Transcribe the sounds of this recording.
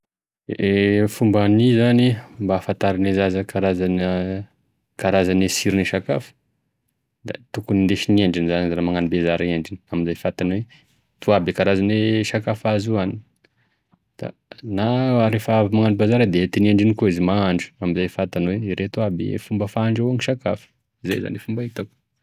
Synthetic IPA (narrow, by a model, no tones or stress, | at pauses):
efumbanizanimbaːfant̪aɾinezazəkʰaɾazanə | kaɾazanesiɾiniʃakafə̥ | d̪̥a̰t̪ukunind̪eʃinieɳɖ͡ʐinzanizɾamaŋanibezaɾeɳɖ͡ʐiniamizajfat̪anwe | t̪uabikaɾazaneʃakafazuani | d̪̥a̰naaɾefaavimaŋanibezaɾəd̪eet̪inieɳɖ͡ʐinikoizimaaɳɖ͡ʐu̥amizajfat̪anweiɾʔet̪uabḭfumbəfaaɳɖ͡ʐawaŋiʃakafə̥ | iza̰jza̰nefumbait̪aku̥